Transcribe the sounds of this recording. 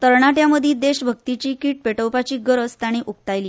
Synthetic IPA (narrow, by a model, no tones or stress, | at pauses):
t̪əɾɳaʈjaməd̪ʱiːd̪eɕbʱək̚t̪it͡ɕiːkiːʈ̚peʈəwpat͡ɕiːɡəɾət͡st̪aɽ̃ĩʔuk̚t̪ajliː